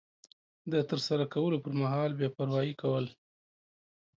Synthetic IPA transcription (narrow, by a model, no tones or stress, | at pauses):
d̪ət̪əɾsaɾakawəlopəɾmaɦɑlbjɑpaɾwɑjikawəl